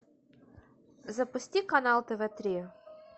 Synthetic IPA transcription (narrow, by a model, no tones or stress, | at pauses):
zɐpʊsʲtʲikɐnalˠt̪ɛvɛt̪ɾʲi